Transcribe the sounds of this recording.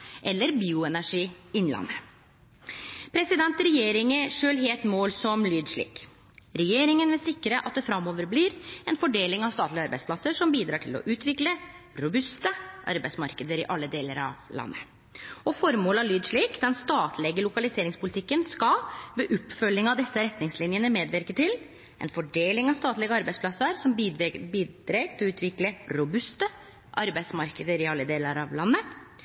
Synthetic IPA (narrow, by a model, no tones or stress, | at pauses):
ʔɛlːəɾbiːʊɛnæʂiːɪnlɑ̰nːə | pʰɾɛsɪd̪ɛnt̪ɾɛjeːɾɪŋəʂøːlɦeːlt̪moːlsɔmlyːd̪ʂɭḭːk | ɾɛjeːɾɪŋənʋɛsɪkːɾəʔɑ̰t̪̚d̪ɛfɾɑmːoːʋəɾbliːɾɛnfɔɖeːlɪŋɑʋst̪ɑːt̪lɪɑɾbæɪspʰlɑsːəʂɔmbiːd̪ɾɑːʈʰɪlɔ̰ʔʉːt̪ʰʋɪklə | ɾʊbʉst̪əʔɑ̰ɾbæɪsmɑɾkəd̪əɾɪʔɑlːəd̪eːləɾɑ̰ʋlɑ̰nːə | ɔfɔɾmoːləɑlyːd̪ʂɭiːkd̪ɛnst̪ɑːt̪ʰlɛɡəlʊkɑlɪseːɾɪŋspʊlɪt̪ʰɪkːənskɑʋɛʔʊpːfœlːɪŋɑʋd̪ɛsːəɾɛt̪nɪŋslɪnjənəmeːd̪ʋɪɾkət̪ʰɪl | ʔɛ̰nfɔɖeːlɪŋɑst̪ɑːt̪lɛɡəɑɾbæɪspʰlɑsːəɾsɔmbiːd̪̥ɾeːɡt̪ʰɪlɔʉːt̪ʋɪkləɾʊbʉst̪ə | ʔɑɾbæɪsmɑɾkəd̪əɾɪɑlːəd̪eːləɾɑ̰ʋlɑnːə